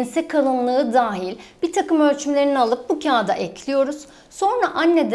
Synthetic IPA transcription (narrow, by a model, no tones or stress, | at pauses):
nsɛkʰalˠɯnlˠɯːd̪aːɦilʲb̥it̪ʰakɯmølʲt͡ʃymlʲeɾinialˠɯp̚bucʰaːd̪aʔɛclʲijo̞ɾuz̥ | so̞nɾaʔanːed̪